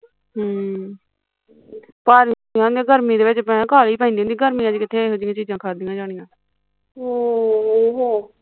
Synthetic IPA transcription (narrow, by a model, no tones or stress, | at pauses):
ɦː | paːɾ | jãːõnd̪iãːɡʱəɾmĩːd̪eːʋɪt͡ʃpɛ̃ːkaːliːpãːĩnd̪ĩːõnd̪ĩːɡʱəɾmĩːãːd͡ʒːkɪt̪ʰeːɦod͡ʒɪːãːt͡ʃiːd͡ʒãːkʰaːd̪ijãːd͡ʒaːɽ̃ijãː | ooɦoː